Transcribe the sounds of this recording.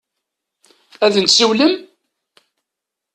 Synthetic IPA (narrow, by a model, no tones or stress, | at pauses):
æðənt̪siwləm